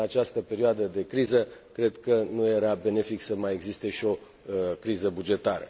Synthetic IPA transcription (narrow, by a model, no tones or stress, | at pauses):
at͡ʃast̪əpe̞ɾioad̪əd̪e̞kɾizəkɾe̞d̪kənuje̞ɾabe̞ne̞fiksəmaje̞ɡzist̪e̞ʃio̞ | kɾizəbud͡ʒe̞t̪aɾə̰